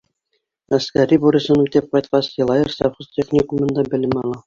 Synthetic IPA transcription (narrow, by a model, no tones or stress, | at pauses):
ɐskæɾʲibuɾʲisɤnut̪ɘp̚qɑjt̪̚qɑsjɤ̆lˠɑjɤrsɑχoztʲeχnʲikumɤ̆nd̪ɑbɘ̆lɘmɑlˠɑ